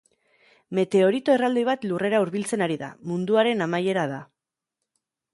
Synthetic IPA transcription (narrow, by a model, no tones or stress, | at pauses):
me̞t̪e̞o̞ɾit̪o̞erald̪iβ̞at̪lure̞ɾauɾβilt͡se̞naɾiða̰mund̪uaɾe̞namaje̞ɾaða